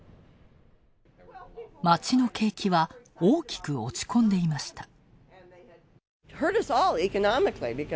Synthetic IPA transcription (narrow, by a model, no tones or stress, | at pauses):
mat͡ɕino̞ke̞ːkʲiβaoːkʲi̥kɯ̟o̞t͡ɕi̥kʰõ̞nd̪e̞imaɕi̥t̪ḁ | hɜ˞ɾʌsɔlˠikɨnɑmɨklibɨk